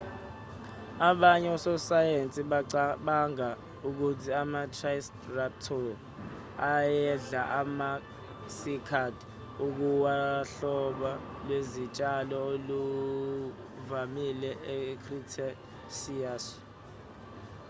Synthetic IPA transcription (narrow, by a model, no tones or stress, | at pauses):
aɓaɲɛɔsɔsajent͡sʼiɓaŋa | uk̬utʰiamatʰrais | rap̚tʰɔ | ajɛɮaʔama | sikʰad | uk̬uwaɬɔɓa | lwezit͡ʃʼalɔolu | vamilɛʔekʰritʰa | sijas